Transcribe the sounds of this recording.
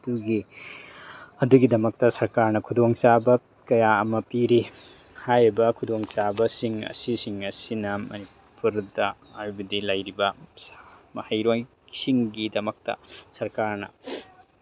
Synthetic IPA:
duɡi | ɐduɡidɐmɐk̚tɐsɐɾkaɾnɐkʰudoŋsabɐ | kɐjaɐmɐpiɾi | hajɾibɐkʰudoŋsabɐsiŋɐ̰sisiŋɐsinɐmɐ̰ni | puɾdɐ | aubɐdilɐjɾibɐ | mɐhajɾoj | siŋɡidɐmɐk̚tɐ̰sɐɾkaɾnɐ̰

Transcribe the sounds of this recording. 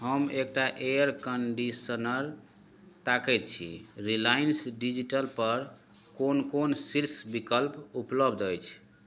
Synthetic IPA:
ɦəmek̚ʈaʔeəɾkəɳɖisənəɾ | t̪akɛt̪̚t͡ʃʰḭɾilajinsɖid͡ʒiʈəlpəɾ | konkonsiɾsbikəlpupləbd̪əjt͡ʃʰ

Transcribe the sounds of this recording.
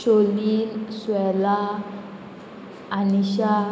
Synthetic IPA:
ʃolinswɛla | niʃa

